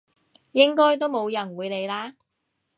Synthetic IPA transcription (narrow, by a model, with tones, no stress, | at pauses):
jɪ˥ŋkɔː˥jt̪o˥wmo˨˧wjɐ˨˩nwuː˨˧jne˨˧jlaː˥